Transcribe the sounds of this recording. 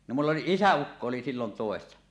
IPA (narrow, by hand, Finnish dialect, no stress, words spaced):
no mulː oli isæukːo oli silːon toˑesːɑ